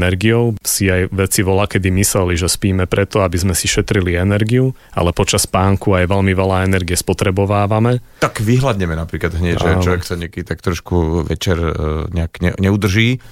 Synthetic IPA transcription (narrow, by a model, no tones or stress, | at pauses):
nɛɾɡiɔʊsiajʋɛt͡siʋɔlakɛd̪imislɛliʒɛspiːmɛpɾʔɛt̪ɔabizmɛsiʃɛt̪ɾiliɛnɛɾɡiu | a̰lɛpɔt͡ʃaspaːŋkuajʋɛlmiʋɛlaɛnɛɾɡiɛspɔt̪ɾɛbɔʋaːʋamɛt̪akʋiɦlad̪ɲɛmɛnapɾiːklad̪ɦɲɛaʒɛlɔʋɛkt̪ɔɲɪakɛd̪it̪ak̚t̪ɾɔʃkuʋɛt͡ʃɛɾɲɛakɲɛ̰ɲɛud̪r̩ʒiː